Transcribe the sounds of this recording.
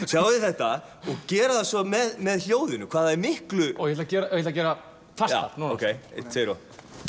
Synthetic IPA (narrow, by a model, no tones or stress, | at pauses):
sjawðɪθɛht̪a | ɔɣcɛːɾaðasɔmɛðmɛðl̥joːwðɪnʏkʰvaːðaðɛɾmɪhklʏɔjɛhɛt̪acɛːɾajɛt̪acɛːɾa | fasta̰a̰t̪nuːowkʰejḛt̪ʰejɾɔ